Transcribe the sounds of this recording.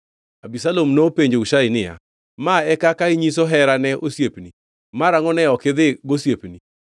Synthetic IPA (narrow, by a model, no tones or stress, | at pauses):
abisalomnopeɲd͡ʒouʃaɪnɪja̰ | maɛkakaiɲisoɦɛɾanɛʔosjepni | maɾaŋɔnɛɔkɪðɪɡosjepni